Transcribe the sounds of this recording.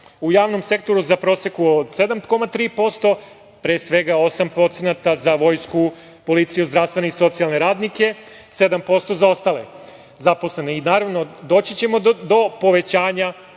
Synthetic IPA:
ujaːʋno̞mse̞kt̪o̞ɾuzapɾo̞sekuod̪sed̪amt̪ko̞mat̪ɾiːpo̞st̪o̞ | pɾeːsʋe̞ɡao̞sampɾo̞t̪senat̪azaʋo̞jsku | po̞lit̪sijuzd̪ɾaʋst̪ʋe̞neiso̞t̪sijalˠne̞ɾaːd̪nike̞ | se̞d̪ampo̞st̪o̞zao̞st̪aːle̞̰ | zapo̞slˠe̞neinaːɾaʋno̞d̪o̞ːt͡ɕit͡ɕe̞mo̞d̪o̞po̞ʋe̞t͡ɕaːɲa

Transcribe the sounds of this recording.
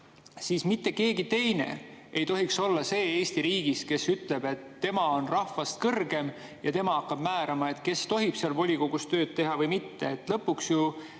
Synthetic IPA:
siːsmit̪ːe̞ke̞ːɡit̪e̞jne̞̰e̞jt̪o̞ɦikso̞lːɑse̞ːeːsʲt̪iɾiːɡ̥iske̞syt̪le̞b̥e̞t̪ːe̞mɑo̞nrɑhfɑst̪̚kɤrɡe̞m | jɑt̪e̞mɑɑkːˑɑb̥mæːɾɑmɑe̞t̪ke̞st̪o̞ɦib̥seɑlvo̞lʲiko̞ɡ̥ust̪ø̞ːd̪̥̚t̪e̞ɦɑvɤjmit̪ːe̞et̪ːˑlɤpːˑuksju

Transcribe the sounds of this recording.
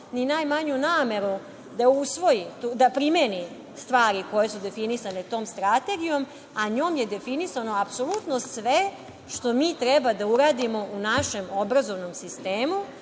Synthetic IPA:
ninajmaɲunaːme̞ɾu | d̪ausʋo̞jit̪ud̪apɾimeni | st̪ʋaːɾiko̞je̞sud̪e̞finisane̞t̪o̞ːmst̪ɾat̪e̞ɡijo̞m | aɲo̞ːmjed̪e̞finisano̞apsolut̪no̞sʋe | ʃt̪o̞miːt̪ɾɛbad̪auɾaːd̪imo̞ʔunaʃe̞mo̞bɾazo̞ʋno̞msist̪eːmu

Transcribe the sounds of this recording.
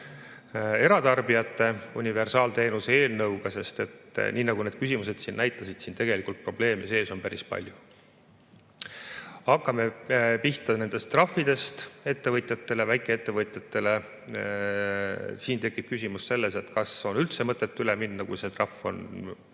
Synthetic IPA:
e̞ɾɑt̪ɑrbiɑt̪ˑːe̞unʲive̞rsɑːlt̪e̞ːnuseeːlnɤwɡ̥ɑse̞st̪e̞t̪ːˑnʔiːnɑɡune̞d̪̥̚kysimus̬e̞d̪̥sinːʔæjt̪ːˑɑsid̪̥siːnt̪e̞ɡ̥e̞likːˑult̪̚pro̞b̥le̞ːmise̞ːso̞npæɾispɑ̰lʲju | ɑkːɑme̞piht̪ɑne̞nd̪̥e̞st̪ːrɑfːid̪̥e̞st̪e̞t̪ːe̞vɤt̪ʲˑjɑt̪ːe̞le̞væjkˑeet̪ːe̞vɤt̪ʲˑjɑt̪ːe̞le̞ | siːnt̪e̞kːˑib̥̚kysʲimusse̞lːe̞se̞t̪kɑso̞nylt̪se̞mɤt̪ːˑe̞t̪ːˑyleminːɑkujse̞t̪rɑfːo̞̰n

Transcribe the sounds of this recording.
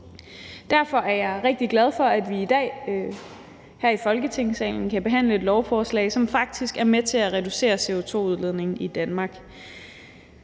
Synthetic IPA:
d̥æɐfɒ̽ʔæɐjɑ̈ɪʁeɡ̥̚d̥iɡ̥læð̞ˠfɒ̽æd̥ʋiːd̥ɛ̰ː | hæɐ̰ifɒ̽lɡ̥ət͡sʰe̝ŋ̰sɛ̰ːln̩kʰæb̥e̝ɦæn̰ləe̝d̥lɒʊfɒːslɛ̰ɪsɒ̽mfɑ̈ɡ̥̚d̥isɡ̥æɐmet͡sʰe̝læʁɛd̥use̝̰ːɐse̝o̝t͡sʰo̝̰ːuð̞ˠle̝ðˠne̝ŋ̩id̥ænmɑ̈ːɡ̥

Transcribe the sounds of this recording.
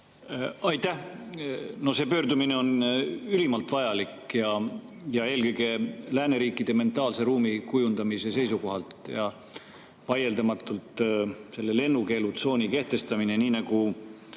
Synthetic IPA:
ɑjt̪ˑæh | no̞se̞ːpø̞ːɾd̪umine̞o̞nylimɑlt̪vɑjɑlikjɑ | jɑe̞ːlkɤjɡ̥e̞læːne̞ɾiːkːˑid̪̥e̞me̞nt̪ˑɑːlse̞ɾuːmikujund̪̥ɑmise̞se̞jsuko̞ɦɑlt̪jɑ | pɑje̞ld̪ɑmɑt̪ːˑult̪se̞lːe̞le̞nːuke̞ːlut̪so̞ːnʲike̞ht̪e̞st̪ɑmine̞niːnɑɡu

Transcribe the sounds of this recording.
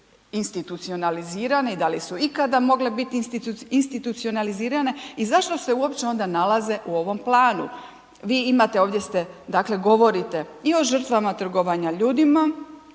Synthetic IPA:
inst̪it̪ut̪sio̞naliziːɾane̞id̪alisuikad̪amo̞ɡle̞bit̪int̪inst̪it̪ut̪sio̞naliziːɾane̞izaʃt̪o̞se̞uo̞pt͡ɕe̞o̞nd̪analaze̞ʔuo̞ʋo̞mplˠaːnṵ | ʋiːimat̪e̞o̞ːʋd̪je̞st̪e̞d̪akle̞ɡo̞ʋo̞ɾit̪e̞io̞ʒr̩t̪ʋamat̪r̩ɡo̞ʋaɲaʎuːd̪ima

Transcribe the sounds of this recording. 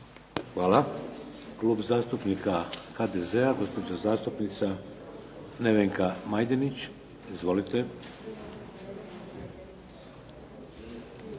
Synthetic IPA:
xʋaːla | kluːbzaːst̪upnikaxaːd̪ezeaɡo̞spo̞d͡ʑazaːst̪upnit̪sa | ne̞ʋeŋkamajd̪enit͡ɕ | izʋo̞lit̪e̞

